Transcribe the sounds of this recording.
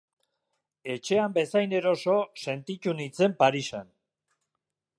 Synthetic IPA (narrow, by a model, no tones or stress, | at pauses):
e̞t͡ʃe̞ambe̞sajne̞ɾo̞so̞se̞nt̪it̪unit͡se̞mpaɾisan